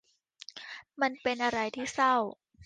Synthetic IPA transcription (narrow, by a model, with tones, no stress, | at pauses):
ma˧npe˧nʔa˧ɾa˧jt̪ʰiː˥˩sa˥˩w